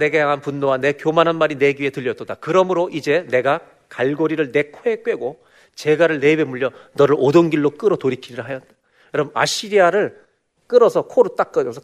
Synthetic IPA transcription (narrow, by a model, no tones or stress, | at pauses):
ne̞ɡajaŋɦanpunːowane̞kjomanɦanmaɾine̞ɡietɯʎːjʌt͈ʌdakɯɾʌmɯɾoʔid͡ʑe̞ne̞ɡa | kaɭɡoɾiɾɯɭne̞kʰoek͈we̞ɡo | t͡ɕe̞ɡaɾɯɭne̞be̞muʎːʌnʌɾɯɾodonɡiɭːok͈ɯɾʌtoɾikʰiɾiɾɯɭɦajʌt̚t͈ḁ | ɾʌma̰ɕ͈ʰiɾiaɾɯɭ | k͈ɯɾʌsʰʌkʰoɾut͈ak͈ʌdosʰʌ